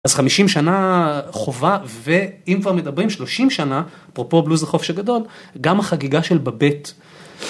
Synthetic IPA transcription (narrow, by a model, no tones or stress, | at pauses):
azχamiʃimʃanaχo̞vave̞imkvaʁme̞d̪abʁimʃlo̞ʃimʃanaapʁopo̞bluzeχo̞fʃaɡado̞lɡamhaχaɡiɡaʃe̞lbabe̞t